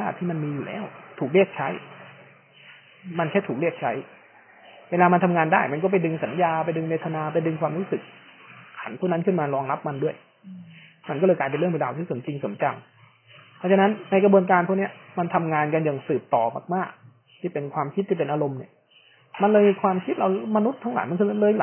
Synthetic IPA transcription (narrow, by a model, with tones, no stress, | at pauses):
aː˥˩t̪ʰːiː˥˩ma˧nmiː˧juː˨˩lɛ̰ː˦˥˩wt̪ʰuː˨˩k̚ɾi˥˩ək̚t͡ɕʰa˦˥j | ma˧nkʰa˥˩jt̪ʰuː˨˩kɾi˥˩ək̚t͡ɕʰa˦˥j | weː˧laː˧ma˧nt̪ʰa˧mŋaː˧ndaː˥˩jma˧nkɔ˥˩pa˧jdɯ˧ŋsa˩˦njaː˧pa˧jdɯ˧ŋweː˧˩t̪ʰa˧naː˧p̬a˧jdɯ˧ŋkʰwaː˧mɾuː˦˥sɯ˨˩k̚kʰa˩˦npʰɔ˥˩na˥nkʰɯ˥˩nmaː˧ɾɔː˧ŋla˦˥p̚ma˧ndu˥˩əj | ma˧nkɔː˥˩lːjklaː˧jpe˧nɾɯ˥˩be˧t̪laː˧t̪ʰiː˥˩su˩˦nt͡ɕi˧ŋso˩˦nt͡ɕa˧ŋ | pʰɔ˦˥t͡ɕʰa˧na˦˥nːa˧jkɾa˧bu˧ənkaː˧npʰɔ˥˩ni˦˥ɐma˧nt̪ʰa˧mŋaː˧nka˧nja˨˩ŋsɯː˨˩p̚t̪ɔː˨˩ma̰ː˨˩k̚maː˥˩k̚ | t̪ʰiː˥˩pe˧nkʰwaː˧mkʰi˦˥t̪̚ːʰiː˥˩pe˧nʔaː˧ɾo˧mni˥˩ | ma˧nlɤː˧jmi˧kʰwaː˧mkʰi˦˥t̪̚ɾa˧wma˧nu˦˥t̪ʰːa˦˥ŋla̰ː˨˦jma˧nkʰɯː˧lɤː˧jla˨˦